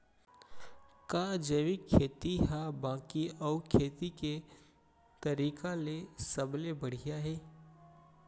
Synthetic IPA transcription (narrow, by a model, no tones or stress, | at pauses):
kaːd͡ʒeːʋɪkʰːeːt̪iɦabãːkiɔːʊkʰeːt̪ike | t̪ɐɾiːkalesəblebɐɽ̤ijaɦɛː